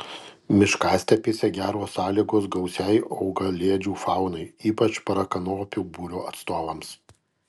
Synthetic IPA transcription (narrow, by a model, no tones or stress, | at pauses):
mʲɪʃkɑːsʲt̪ʲɛpʲeːsʲɛɡʲæːɾoːsɑːlʲiːɡoːsɡɒʊsʲɛɪɐʊɡɐlʲeːd͡ʒʲuːfɑˑʊnɐɪiːpɐt͡ʃpɐɾɐkɐnoːpʲuːbuːɾʲoːɐt̪st̪oːʋɐms